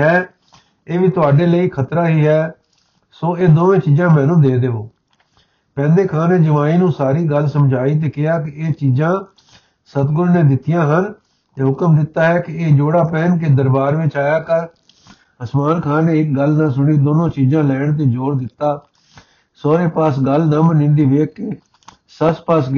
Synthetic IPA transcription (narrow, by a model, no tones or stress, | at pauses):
ɦɛː | eːʋiːt̪ʊaːɖeːləiːkʰət̪ɾaːɦiːɦɛː | soːeːd̪oːʋẽːt͡ʃiːzãːmɛ̃ːnũːd̪eːd̪eːoː | pɛ̃ːnd̪eːkʰãːneːd͡ʒəʋaːiːnũːsaːɾiːɡəlsəmd͡ʒʱaːiːt̪̬eːkɪaːk̬ɪeːt͡ʃiːzãː | sət̪ɡʊɾneːd̪ɪt̪ːijãːɦənː | ɦʊkəmd̪ɪt̪ːaːɦɛːkɪeːd͡ʒoːɽaːpɛːnk̬ed̪əɾbaːɾʋɪt͡ʃaːjaːkəɾ | əsmaːnkʰaːneːɪk̚ɡəlnãːsʊɳiːd̪oːnõːt͡ʃiːzãːlɛːɳt̪̬eːd͡ʒoːɽd̪ɪt̪ːaː | soːɾeːpaːsɡəlnəmnɪ̃ɳɖ̪iːʋeːkɪ | səspaːs